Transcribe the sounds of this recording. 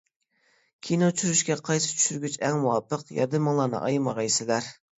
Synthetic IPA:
kʲʰinot͡ʃʰyɾyʃkʲɛqʰɑjsɨ̥t͡ʃʰy̥ʃyɾɡʲyt͡ʃɛŋmuwɑpəqjɑ̰ɾd̪ɨmɑŋlˠɑːnɨ̰ʔɑ̰jmɑʁɑjsɪlæɾ

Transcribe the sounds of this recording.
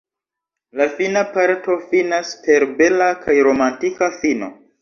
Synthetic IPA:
lafinapaɾto̞finaspʰe̞ɾbe̞lakʰajɾo̞mantikafino̞̰

